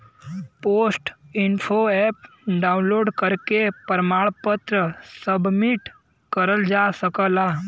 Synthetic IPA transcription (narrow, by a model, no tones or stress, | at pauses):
poːsʈɪnpʰoɛp̚ | ɖaũnloːɖkəɾkepəɾmaːɭpət̪ɾəsəbmiʈ | kəɾəld͡ʒasəkəla